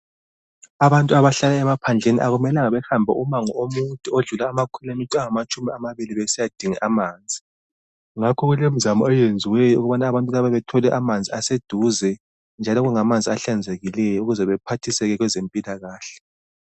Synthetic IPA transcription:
aβantʼuaβaɬalaɛmapʰand͡ɮʱenḭʔaɣumɛlaŋaβɛxambʱɛ̰umaŋɔomutʼioɮulaːmakʰulamitʼaŋamat͡ʃʼumiamaβiliβɛsijad̥ʱiŋḭʔamaːnd͡zʱi | ŋakʰɔɣulem̩zamɔɔjend͡zʱiwɛjɔuɣuβanaːβantʼulaβaβɛtʰɔlɛʔamand͡zʱiased̥ʱuzɛ | nd͡ʒʱalɔɣuŋamand͡zʱiaɬand͡zʱeɣilɛjɔuɣuzɛβɛpʰatʰisɛɣɛɣwɛzempʼilaɣaːɬɛ

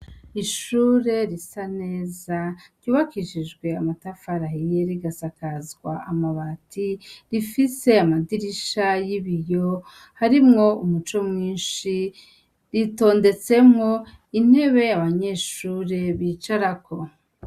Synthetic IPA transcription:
iʃuːɾe̞ɾisane̞ːzaɾɟuːβakiʃiʒɡwe̞amatafaɾahijeɾiɡasakazɡwaamaβatʰiɾifise̞amadiɾiʃajiβijo̞ | haɾimŋo̞umut͡ʃo̞mŋiːnʃi | ɾito̞ːnde̞t͡se̞mŋo̞ | in̥he̞βe̞jaβaɲe̞ːʃuːɾe̞βiːt͡ʃaɾakʰo̞

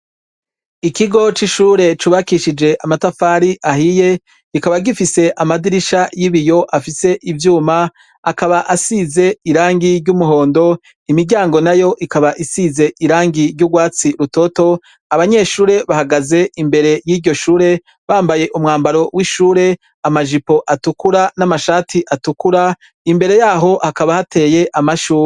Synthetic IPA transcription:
ikiɡo̞t͡ʃiʃuːɾe̞t͡ʃuβakiʃid͡ʒe̞ʔamatafaːɾiʔahije̞ | ikaβaɡifise̞ʔamadiɾiʃajiβijo̞ʔafise̞ʔivjuːma | akaβaʔasize̞iɾaːŋɡiɾɟumuɦo̞ːndo̞ | imiɟaːŋɡo̞najo̞ʔikaβaʔisize̞ʔiɾaːŋɡiɾɟuɡwaːt͡siɾuto̞to̞ | aβaɲe̞ːʃuːɾe̞βahaɡaze̞ʔimbe̞ɾe̞jiːɾɟo̞ʃuːɾe̞ | βaːmbaje̞ʔumŋaːmbaɾo̞wʔiʃuːɾe̞ | amaʒipo̞ʔatukuɾanamaʃaːtʰiʔatukuɾa | imbe̞ɾe̞jaːɦo̞hakaβahatʰe̞ːje̞ʔamaʃuːɾe

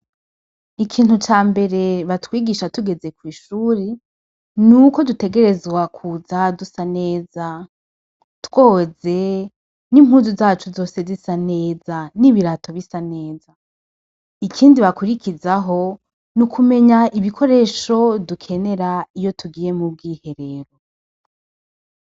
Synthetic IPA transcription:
ikʰiːn̥hut͡ʃaːmbe̞ɾe̞βatwiːɡiːʃatuɡe̞ze̞kwiːʃuːɾe | nuko̞dute̞ɡe̞ɾe̞zɡwakʰuzadusane̞ːza | tw̥o̞ze̞ | nim̥huːzuzaːt͡ʃuzo̞ːse̞zisane̞ːzaniβiɾatʰo̞βisane̞ːza | ikʰiːndiβakuɾikʰizaɦo̞ | nukʰume̞ɲaʔiβikʰo̞ɾe̞ːʃo̞dukʰe̞ne̞ɾaijo̞tʰuɡiːje̞mub̚ɡiːhe̞ɾe̞ːɾo̞

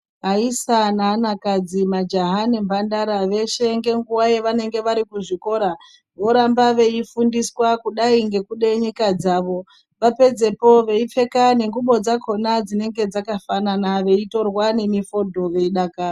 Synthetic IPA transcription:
ɦaisananakad͡zimad͡ʒaɦanimbandaɾaʋe̞ʃe̞ŋɡe̞ŋɡuwajeʋane̞ŋɡe̞ʋaɾikuʐiko̞ɾa | ʋo̞ɾambaʋe̞ifundiswakuɗaiŋɡe̞kuɗe̞ɲikad͡zaʋo̞ | ʋape̞d͡ze̞po̞ʋe̞ip͡fe̞kane̞ŋɡuɓo̞d͡zakʰo̞nad͡zine̞ŋɡe̞d͡zakafananaʋe̞ito̞rwane̞mifo̞dʱo̞ʋe̞iɗakaːi

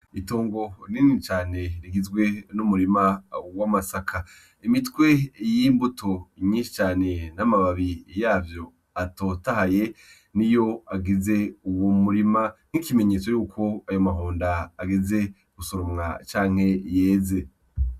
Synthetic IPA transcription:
ito̞ːŋɡo̞ninit͡ʃaːne̞ɾiɡizɡwe̞numuɾimawamasakʰa | imitkwe̞jiːmbutʰoɲiːʃi̥t͡ʃaːne̞namaβaβijaːvjo̞ | atoːtaɦaje̞ | nijo̞aɡize̞uwomuɾiman̥hikime̞ɲe̞ːt͡so̞juːkʰo̞ajo̞maɦoːndaːɡize̞ | ɡ̥usoɾomŋa̰t͡ʃaːŋ̥he̞je̞ːze̞

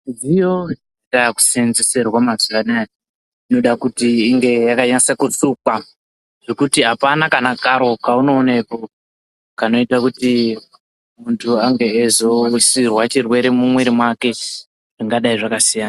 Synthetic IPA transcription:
ndijo | taku̥senzeserwamazuʋanaj | ino̞ɗakutiːŋɡe̞jakaɲansakusukwa | ʐ̥o̞kutiɦapanakanakaɾo̞kauno̞ːnepo | kano̞itakuti | muntʰuaŋɡe̞ːzo̞wisirwat͡ʃirwe̞ɾe̞mumwe̞ɾimwake̞ | ʐiŋɡaɗaiʐakasijana

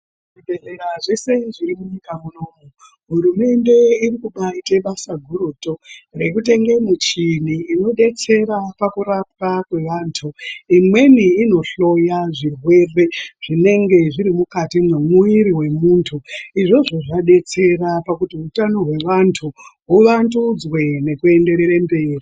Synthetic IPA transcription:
ibʱeɮeɾaʐese̞iʐiɾimuɲikamunoːmu | ɦuɾume̞nde̞irikuɓaiteɓasaɡʱuɾuto̞re̞kute̞ŋɡe̞mut͡ʃin̤iːno̞ɗe̞t͡se̞ɾapakuɾap̚wakwe̞ʋaːntʰuimwe̞niːno̞ɬo̞jaʐirwe̞re̞ʐ̥ine̞ŋɡe̞ʐiɾimukatimumuiɾiwe̞muːntʰuiʐo̞ʐoʐaɗe̞t͡se̞ɾapakutiɦutano̞ɦwe̞ʋantʰuɦuʋandud͡zwe̞ne̞kue̞nde̞ɾeɾambe̞ːri

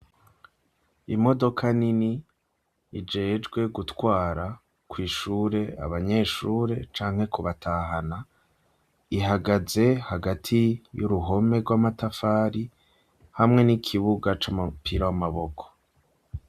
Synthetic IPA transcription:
imo̞do̞kʰaniniː | d͡ʒe̞ːd͡ʒɡwe̞ɡutwaːɾa | kwiːʃuːɾe̞a̰βaɲe̞ːʃuːɾe̞t͡ʃaːŋhe̞kuβatʰaɦana | iɦaɡaze̞haɡatʰijuɾuɦo̞me̞ɾɡwamatafaːɾi | hamŋe̞nikʰiβuɡat͡ʃamupʰiɾawamaβo̞kʰo̥

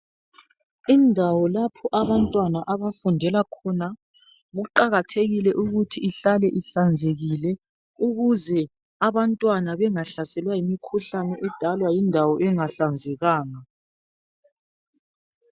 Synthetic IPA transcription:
indʱawɔlapʰɔʔaβantʼwanaʔaβafundʱɛlakʰɔna | ɣuǃaɣatʰeɣilɛʔuɣutʰiːɬalɛʔiɬand͡zʱeɣilɛ | uɣuzɛ | aβantʼwanaβɛŋaɬasɛlwajimikʰuɬanɛʔɛd̥ʱalwajindʱawɔʔɛŋaɬand͡zʱɛɣaːŋa

